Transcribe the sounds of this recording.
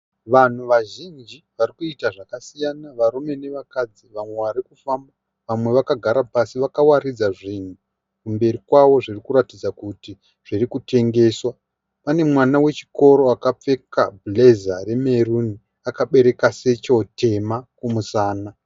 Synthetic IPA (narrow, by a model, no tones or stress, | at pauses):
ʋan̤uʋaʒind͡ʒiʋarikuitaʐakasijanaʋaɾume̞ne̞ʋakad͡ziʋamwe̞ʋaɾikufamba | ʋamwe̞ʋakaɡʱaɾapasiʋakawaɾid͡zaʐin̤u | kumbe̞ɾikwawo̞ʐirikuɾatid͡zakuti | ʐ̥irikute̞ŋɡe̞swa | pane̞mwanawe̞t͡ʃi̥ko̞ɾo̞akap͡fe̞ka̰ble̞zare̞me̞runi | akaɓe̞ɾe̞kase̞t͡ʃo̞tʰe̞makumusaːna